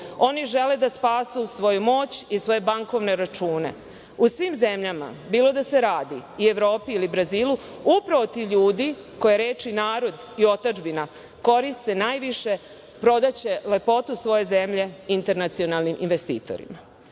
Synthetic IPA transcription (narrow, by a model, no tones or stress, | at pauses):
o̞niʒe̞led̪aspaːsusʋo̞jumo̞ːt͡ɕisʋo̞je̞baŋko̞ʋne̞ɾat͡ʃuːne̞̰ | usʋiːmze̞mʎama̰biːlˠo̞d̪ase̞ɾaːd̪iːe̞ʋɾo̞ːpiilibɾaziːluupɾaʋo̞t̪iʎuːd̪iko̞jeɾeːt͡ʃinaːɾo̞d̪ | io̞t̪ad͡ʒbina | ko̞ɾist̪e̞naːjʋiʃe̞ | pɾo̞d̪at͡ɕe̞le̞po̞t̪usʋo̞je̞ze̞mʎe̞int̪e̞ɾnat̪sio̞nalˠnimʔinʋest̪ḭːt̪o̞̰ɾḭma